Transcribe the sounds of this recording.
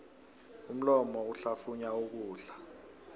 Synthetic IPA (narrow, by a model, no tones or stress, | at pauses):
um̩lɔmɔuɬafuɲauk̬uːɬḁ